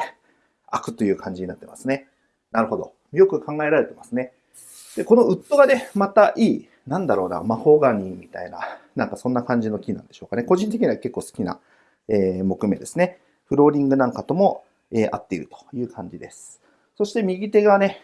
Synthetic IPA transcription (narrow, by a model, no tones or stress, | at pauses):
akɯ̟̥t̪ːo̞jɯ̟ːkʰãɲ̟d͡ʑiɲ̟inat̪ːe̞masɨne̞ | naɾɯ̟ho̞d̪o̞̰ | mjo̞kɯ̟kʰãŋɡae̞ɾaɾe̞t̪e̞masɨne | d̪̥e̞ko̞no̞ɯ̟t̪ːo̞ɡane̞mat̪aʔiː | nãnd̪aɾo̞ːna̰maho̞ɡaɲ̟ʲiːmʲit̪a̰ina̰nãŋkasõ̞nːakãɲ̟d͡ʑino̞kʲinã̰nd̪e̞ɕo̞ːkane̞ko̞ʑĩnt̪ek̬ʲiɲ̟iβake̞kːo̞ːsɨ̥kʲina̰ | eːmo̞kɯ̟me̞d̪e̞sɨne̞ | ɸɯ̟ɾo̞ːɾʲĩŋɡɯ̟nãŋkat̪o̞mo̞ | eːʔa̰t̪ːe̞iɾɯ̟̥t̪o̥jɯ̟ːkʰãɲ̟d͡ʑid̪e̞sɨ̥ | so̞ɕi̥t̪e̞mʲiɡʲit̪e̞ɡane̞